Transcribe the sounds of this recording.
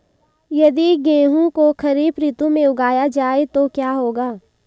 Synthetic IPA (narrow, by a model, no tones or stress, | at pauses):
jɐd̪iɡẽːɦũkoxɐɾiːbɾit̪ũmẽʊɡaːjad͡ʒaːet̪okjaːɦoːɡaː